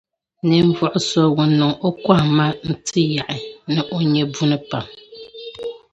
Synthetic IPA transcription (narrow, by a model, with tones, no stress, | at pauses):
nɨ˨ɱ̩˦vɔ˨ʔʊ˨sɔ˦wu˨nːɨ˨ŋo˦kwa˦˨ma˦n̩˦tʰɨ˦ja˨ʔɪ˨nɨ˨ʔo˦ɲɛ˦bu˦nɨ˦pa˨m